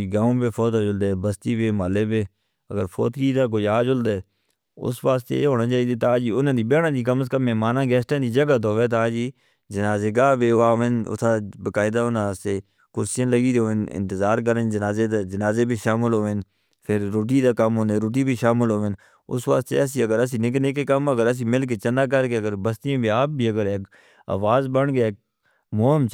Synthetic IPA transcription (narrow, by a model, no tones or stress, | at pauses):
iɡaːõːpeːpʰoːt̪ɦoːd͡ʒʊld̪eːbəst̪iːbeːmaːleːbeː | əɡəɾpʰo̰ːt̪kiːt̪aːk̬oːiaːd͡ʒʊld̪eː | ʊ̰sʋaːst̪ḛːeːɦoːnaːt͡ʃaːiːd̪eːt̪aːd͡ʒiːʊnãːd̪iːbeːɽãːd̪iːkəməs̬kəmːɛːmaːnãːɡɛːsʈãːd̪iːd͡ʒəɡət̪̬ɦoːʋeːt̪aːd͡ʒiː | d͡ʒənaːzeːɡaːbeːaːʋɪnʊ̰t̪ʰaːbəkaːɪd̪aːʊːnast̪eː | kʊɾsɪʃənləɡiːd̪oːʋɪnɪ̰̃nt̪əzaːɾk̬əɾənd͡ʒənaːzed̪aːd͡ʒənaːzeːbʱiːʃaːmɪlɦoːɪn | pʰɪɾːoːʈ̬iːd̪aːkəmɦoːneːɾoːʈ̬iːbiːʃaːmɪlɦoːʋɪn | ʊ̰sʋəkt̪ːḛɛsiːəɡəɾəs̬iːnɪkneːkekəməɡəɾəs̬iːmɪlk̬eːt͡ʃənaːk̬əɾkeːəɡəɾbəst̪ijãːbʱiːaːp̚biːəɡəɾeːk | a̰ːʋaːzbəɳkeːeːk̚ | moːəmt͡ʃ